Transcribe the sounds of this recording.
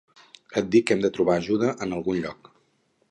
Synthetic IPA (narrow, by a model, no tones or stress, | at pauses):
ət̪̚d̪ikːɛmd̪ət̪ɾuβaːʒuðəʔənəlˠɣunʎɔk